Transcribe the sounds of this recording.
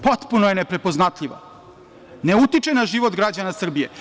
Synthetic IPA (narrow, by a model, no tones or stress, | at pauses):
pot̪punojenepɾe̞poznat̪ʎʲiʋa̰ | ne̞ut̪it͡ʂenaʒiʋot̪ɡɾad͡ʑanasr̩bije